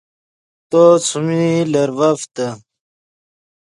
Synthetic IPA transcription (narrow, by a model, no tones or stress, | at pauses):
t̪ot͡sʰumilɐɾvɐft̪ɐ